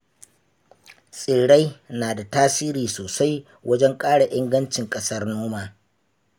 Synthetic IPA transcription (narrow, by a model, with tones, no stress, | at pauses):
sʼɪː˨ɽa˦jnaː˨da˨taː˦siː˦ɾiː˨soː˨sa˦j | wɐ˦d͡ʒɛ˦ŋkʼaː˦ɽa˨ʔɪ˦ŋɡɐ˦nt͡ʃɪ˨ŋkʼɐ˦sɐ˦rnoː˦maː˨